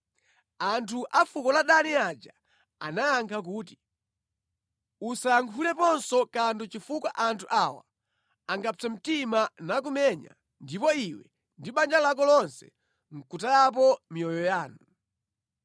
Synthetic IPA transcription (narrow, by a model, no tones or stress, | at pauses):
antʰuʔafukɔlaɗaniad͡ʒa | a̰najaŋkʰak̬uːti | usaaŋkʰulɛpɔnsɔkandɔt͡ʃifukwaʔantʰuʔawa̰ | aŋɡat͡sɛm̩timanak̬umɛɲa̰ | ndipɔiwɛ̰ | ndiɓand͡ʒalak̬ɔlɔnsɛ̰ | ŋ̩kutajap̬ɔmijɔjɔjaːnu